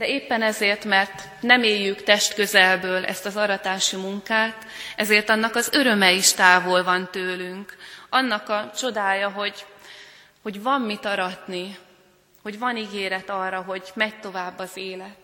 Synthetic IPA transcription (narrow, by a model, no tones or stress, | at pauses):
d̪̥ɛeːpːɛnɛzeːrt̪mɛrt̪ | nɛmeːjːykt̪ɛʃt̪kø̞zɛlbøːlʔɛ̰st̪ɒzɒɾɒt̪aːʃimuŋkaːt̪ɛzeːrt̪ɒnːɒkɒzøɾø̞mɛiʃt̪aːvolvɒnt̪øːlyŋkɒnːɒkɒt͡ʃo̞d̪aːjɒɦo̞ɟ | ho̞ɟvɒmːit̪ɒɾɒt̪ni | ho̞ɟvɒniɡeːɾɛt̪ɒrːɒɦo̞ɟmɛɟ̚t̪o̞vaːbːɒzeːlɛt̪